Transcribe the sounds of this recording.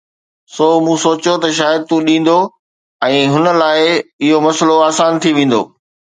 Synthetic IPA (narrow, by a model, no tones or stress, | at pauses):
soːmũsoːt͡ɕjot̪ɐʃ̬aːjəd̪̚t̪ũɗĩːn̆d̪o | ɛ̃ːɦʊnə̆laːɪɪɦomɐsloaːsaːnt̪ʰiʋẽːn̆d̪o̰ː